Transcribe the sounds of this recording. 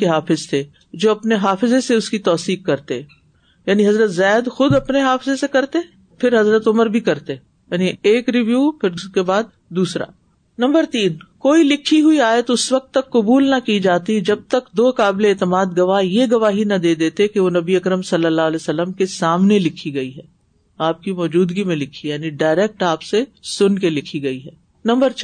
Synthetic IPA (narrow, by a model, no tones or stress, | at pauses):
eɦaːfɪzt̪ʰeː | d͡ʒoːɐpneɦaːfɪzeseʊskit̪ɔːsiːk̚ːɐɾt̪e | jaːniɦɐzɾət̪zaːd̪xʊd̪ɐpneɦaːfɪzesekɐɾt̪e | pʰɪɾɦɐzɾət̪ʊməɾbʱikɐɾt̪e | jaːnieːkɾiʋjuːpʰɪɾkebaːd̪̚ːuːsɾa̰ | nɐ̃mbəɾt̪iːnkoːilɪkʰːiɦuiaːjət̪ʊsʋɐk̚t̪ːɐkːʊbuːlnɐkid͡ʒaːt̪id͡ʒɐb̚t̪əkd̪oːkaːbleɛːt̪ɪmaːd̪ɡɐʋaːɦjeɡɐʋaːɦinɐd̪eːd̪eːt̪ekeʋonɐbiɐkɾəmsɐlːəlːaːɦəleːsɐlːəmkesaːmnelɪkʰːiɡɐiɦɛː | aːp̚kimɔːd͡ʒuːd̪ɡimẽlɪkʰːijaːniɖaːɪɾɛːk̚ʈaːpsesʊnkelɪkʰiɡɐiɦɛː | nɐ̃mbəɾt͡ʃ